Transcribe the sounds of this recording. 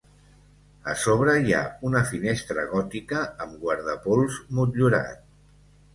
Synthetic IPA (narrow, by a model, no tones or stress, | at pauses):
ə̰soβ̞ɾəja̰unəfinest̪ɾəɣɔt̪ikəːmɡwaɾðəpolˠzmut̪ʎuɾa̰t̪